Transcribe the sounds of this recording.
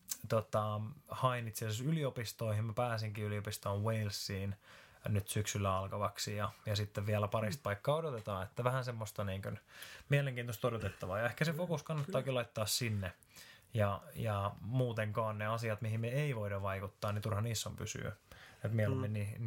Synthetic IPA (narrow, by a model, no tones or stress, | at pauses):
t̪ot̪ɑhɑinit̪siæsesyliopist̪oihimmæpæːsiŋkiyliopist̪oːweilsːiːn | nyt̪syksylːæɑlkɑʋɑksijɑjɑsit̪ːeʋʋiælæpɑɾist̪̚pɑikːɑːodot̪et̪ɑːet̪ːæʋæhænsemːost̪ɑniːŋkønmieleŋkiːnt̪ost̪odot̪et̪ːɑʋɑːjɑehkæsefokuskɑnːɑt̪ːɑːkilɑit̪ːɑːssinːe | jɑjɑmuːt̪eŋkɑːnneɑsiɑt̪mihimmeeiʋoidɑʋʋɑikut̪ːɑːnnit̪urhɑniːsːompy̰sy̰ːet̪mieoemmeni